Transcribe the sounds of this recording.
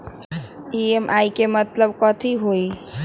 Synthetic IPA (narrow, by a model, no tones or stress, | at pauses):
iemʔaikemət̪ləb̚kɔt̪ʰiɦoi